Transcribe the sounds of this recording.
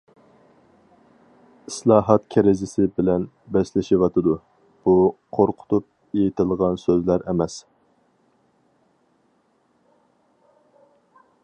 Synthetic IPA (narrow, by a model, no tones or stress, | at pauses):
islˠɑːɦɑt̪kʲʰɛɾɪzɪsɪbɪlɛn | bɛslɪʃɪwɑt̪ʰɨd̪u | b̥uqʰoɾqʰʊ̥t̪ʰup̚ | ejɪt̪ʰɪlˠʁɑnsøzlæɾɛmɛs